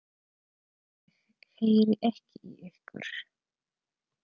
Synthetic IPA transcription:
ɛɣ | heːjɾɪʔɛhcɪʔiʏhkʏ̰ɾ̥

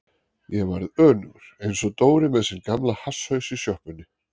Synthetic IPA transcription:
jɛva̰ɾðœːnʏɣɾ̥ejnsɔt̪oːwɾɪmɛðsinkamlahashœɥsisjœhpʏnːɪ

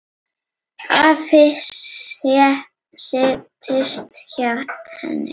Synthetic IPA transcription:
afɪsɛ | sɪt̪ʰɪst̪çahɛ̰nɪ̰

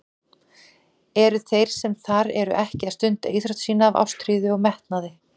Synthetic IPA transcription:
ɛɾʏθejɾ̥sɛmθaɾɛɾʏ̰ʔɛhcɪaðst̪ʏn̥t̪ejθɾœt̪siːnaːva̰wst̪ʰɾiːðɪɔɣmɛht̪naðɪ

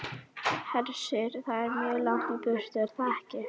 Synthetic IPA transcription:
hɛlsɪɾθaðɛɾmjœːðlawht̪ɪpʏɾ̥t̪ɪaɾ̥θaɛhcɪ

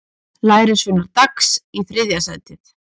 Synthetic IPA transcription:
laːjɾɪsvʏnaɾt̪aksiθɾɪðjasaːt̪ɪθ

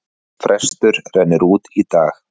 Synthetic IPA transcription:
fɾɛst̪ʏɾ̥rɛnːɪɾuːt̪it̪aːx

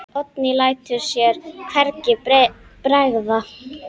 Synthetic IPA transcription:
ɔt̪nilaːjt̪ʏɾ̥sjɛɾ̥kʰvɛɾcɪpɾaɣða

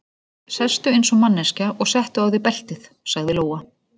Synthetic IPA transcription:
sɛst̪ʏejnsɔmanːɛscaʔɔɣsɛht̪ʏaːwðɪpɛl̥t̪ɪθ | saɣðɪloːwa

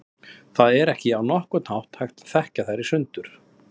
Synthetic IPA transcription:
θaðɛɾɛhcɪawnɔhkʏt̪nawht̪hajxt̪θɛhcaθajɾːɪsʏnt̪ʏɾ̥

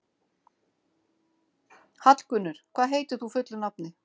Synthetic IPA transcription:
hat̪lkʏnːʏɾ̥kʰv̥aːðɦeːjt̪ʏθufʏt̪lʏnapnɪ

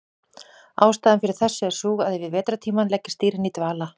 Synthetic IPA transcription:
aːwst̪aːðɪnfɪɾɪɾ̥θɛsːɪɛ̥suːɣaðɪvɪðvɛːt̪ɾat̪ʰiːmanlɛcːɪ̥st̪iːɾɪnit̪vaːla

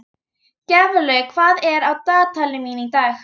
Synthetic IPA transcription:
cɛvʏlœɥkʰv̥aːðɛɾawt̪aːt̪ʰalɪminit̪aɥx

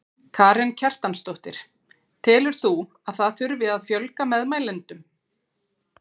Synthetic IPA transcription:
kʰaːɾɛncʰar̥t̪anst̪owht̪ɪ̰ɾ̥ | t̪ʰɪːlʏɾ̥θu | aðθaðθʏɾvɪðaðfjœlkamɛðmaːjlɪnt̪ʏm

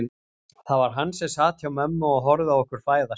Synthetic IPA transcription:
θavaɾ̥ɦanːsɛsaːt̪ʰçawmɛmːʏɔɣɦɔɾðɪaɔhkʏɾ̥faːjða

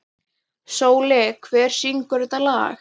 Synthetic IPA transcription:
soːwlɛːkʰvɛːɾ̥siŋkʏɾʏt̪ala̰ːx

